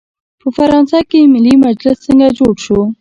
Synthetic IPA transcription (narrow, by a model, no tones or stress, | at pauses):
pəfaɾɑnsakemɪlːimad͡ʒlɪsːəŋɡad͡ʒoɽʃo